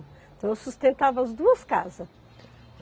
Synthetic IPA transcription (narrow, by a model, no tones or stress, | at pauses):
t̪ɐ̃w̃ewsust̪ẽnt̪avɐɐzd̪uɐskazɐ